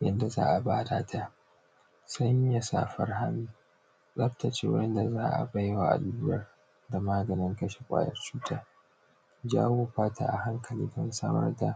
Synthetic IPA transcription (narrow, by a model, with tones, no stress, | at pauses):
jɐ˦nda˨za̰ː˦ʔa˨baː˦daː˨tʰa˦˨ʔ | sɐ˦ɲja˨sa̰ː˨ɸɐ˦rɦa˦miː˦ | sʼɐ˦ɸta˨t͡ʃeː˦w̰nda˨zaː˦ʔa̰˨ba˦jwa˨ʔa̰˨duː˦ɾɐ˦r | da˨maː˦ɡɐ˨nɪ˦ŋkɐ˦ʃe˨kʷʼa̰ː˦jɐ̰˦rt͡ʃuː˦tʰaː˦ | d͡ʒa̰ː˦woː˦ɸaː˦tʰa̰ː˨ʔa̰˨ha˦ŋkʰɐ˨liː˦dɐ˦nsa̰ː˦mɐ̰˦rda˨